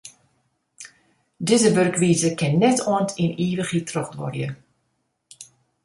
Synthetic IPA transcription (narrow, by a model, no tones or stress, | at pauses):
dɪzəʋørkʋiːzəkɪnːɛtʰɔntʰiniːʋəχitʰrɔxdʋɔ̰rjə